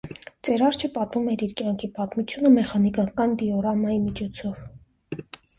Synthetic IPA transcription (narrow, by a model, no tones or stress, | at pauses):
t͡sɛɾɑɾt͡ʃʰəpɑt̪mumɛɾiɾkjɑŋkʰipɑt̪mut͡sʰjunəmɛχɑnikɑkɑnd̪iɔɾɑmɑjimit͡ʃʰɔt͡sʰɔv